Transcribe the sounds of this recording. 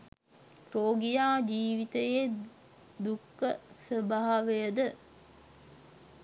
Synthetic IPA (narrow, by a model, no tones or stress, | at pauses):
kɾoːɡijaːd͡ʒiːʋit̪əjeː | d̪ukːəsəbaɦʋejəd̪ə